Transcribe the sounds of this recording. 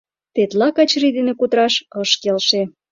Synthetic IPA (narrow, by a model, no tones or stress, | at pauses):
t̪et̪lɑkɑt͡ɕrid̪enekut̪ɾɑʃɤʃkelʃe